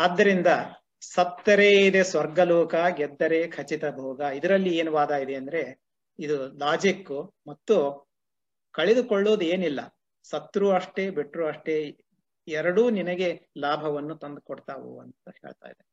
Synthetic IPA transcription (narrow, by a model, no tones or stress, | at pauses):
aːd̪ːɐɾind̪ɐ | sɐt̪ːɐɾeːid̪e̞sʋɐɾɡɐloːkɐɡɛd̪ːɐɾekʰɐt͡ʃit̪ɐbʱoːɡɐid̪ɐɾɐlːieːnuʋaːd̪aːid̪eɐnd̪ɐɾe̞ | id̪ulaːd͡ʒikːumɐt̪ːu | kɐɭed̪ukoɭːoːd̪ueːnilːɐ̰ | sɐt̪ːɾuːɐʂʈe̞beʈːɾuɐʂʈe̞ | ɛɾɐɽuːninɐɡe̞laːbʱɐʋɐnːut̪ɐnd̪kɔɽt̪aːʋṵɐnt̪uheːɭt̪a̰ːjd̪e